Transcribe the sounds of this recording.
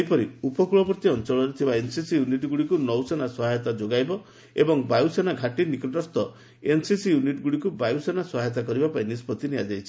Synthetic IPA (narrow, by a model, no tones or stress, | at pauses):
jpɔɾiupɔkuɭɔbɔɾt̪iɔnt͡ʃɔɭɔɾit̪ʰibaensisijuniʈɡuɽikunɔwsenasɔɦajɔt̪ad͡ʒoɡajbɔ | ebɔŋbajusenaɡʱaʈinikɔʈɔst̪ɔ | ensisijuniʈɡuɽikubajusenasɔɦajɔt̪̬akɔɾibapaĩnispɔt̪inijad͡ʒajt͡ʃʰi̥